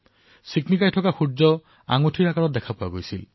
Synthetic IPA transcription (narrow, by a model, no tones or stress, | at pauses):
siknikajtʰɔkaxuzɔ | a̰ŋotʰiɹakaɹɔt̚dɛkʰapʊaɡojsil